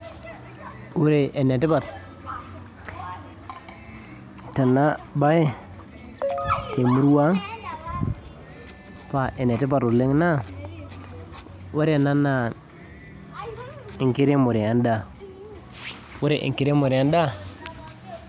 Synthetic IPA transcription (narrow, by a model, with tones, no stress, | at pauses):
wu˦ɾe˨ʔe˨ne˨ti˦ba˨t | ta˨nːa˦ba˦je˦ | te˨mu˦ɾwa˦ŋ | pa˨ʔe˨ne˨ti˦ba˨tu˨le˦ŋ˦na˦ | we˦ɾe˨na˦nːa˨ | i˨ki˦ɾe˦mu˨ɾi˨ja˦nda˦˨ | wu˦ɾe˨ʔḭ˨ŋki˦ɾe˦mo˨ɾi˨a˦nda˦